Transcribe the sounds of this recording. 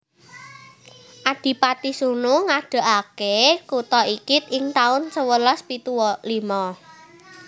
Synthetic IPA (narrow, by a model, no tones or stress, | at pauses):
ʔad̪̥i̤pat̪isunuŋaɖ̥a̤ʔakekut̪ɔikɪt̪ɪŋt̪aʊnt͡ʃəwəlaspit̪uwɔlimɔ